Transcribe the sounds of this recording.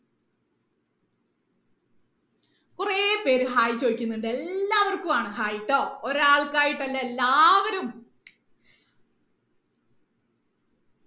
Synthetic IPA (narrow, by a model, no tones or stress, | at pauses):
kurepe̞ːɾuɦaːjit͡ɕːoːikʲːunːuɳɖɨelːaːʋɐrkumaːɳɨhaːjiʈːo̞ːoɾaːɭkaːjiʈːɐlːɐelːaːʋɐɾum